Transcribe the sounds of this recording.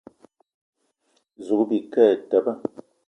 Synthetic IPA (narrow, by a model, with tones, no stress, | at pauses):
zu˨kbi˨kɛ˦˨tɛ˨bə˦